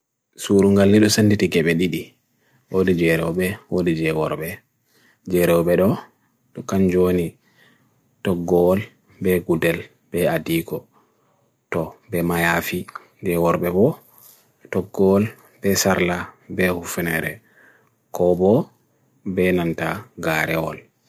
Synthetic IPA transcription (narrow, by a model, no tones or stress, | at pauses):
suɾuŋɡalːiɗɔsanditiɡɛɓɛɗiɗi | wodid͡ʒɛɾɛwɓɛwodid͡ʒɛwɔɾɓɛ | d͡ʒɛɾɛwɓɛɗɔ | ɗɔkand͡ʒoni | tɔɡːɔːl | bɛɡudɛl | b̥ɛadikɔ | tɔbɛmajafi | d͡ʒɛwɔɾbɛbɔ | tɔɡːɔɔl | b̥ɛsaɾlabɛhufunɛɾɛ | kɔbɔ | bɛnantaɡaɾɛwɔ̰l